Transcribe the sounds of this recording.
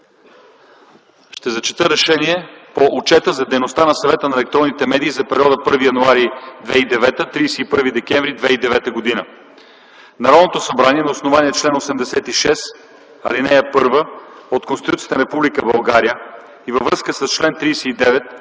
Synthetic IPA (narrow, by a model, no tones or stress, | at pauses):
ʃt̪ɛzɐt͡ʃi̥t̪əɾɛʃɛniɛpoʔot͡ʃɛt̪əzɐd̪ɛjnost̪anɐsɐvɛt̪ənɐɛlɛk̚t̪ɾɔnːit̪ɛmɛd̪iːzɐpɛɾiɔd̪əpɤɾvijɐnuaɾid̪vɛid̪ɛvɛt̪ət̪ɾijsɛipɤɾvid̪ɛkʲɛ̃ɱvɾid̪vɛid̪ɛvɛt̪əɡod̪inə | nɐɾɔd̪not̪osɐbɾaniɛnɐosnovaniɛt͡ʃlɛnosɛmd̪ɛsɛt̪iʃɛs | ɐ̰linɛjəpɤɾvəot̪konst̪it̪uijət̪nɐɾɛpublikəbɐlˠɡaɾijə | ivəvɾɤskəsəst͡ʃlɛnt̪ɾijsɛid̪ɛvɛt̪̚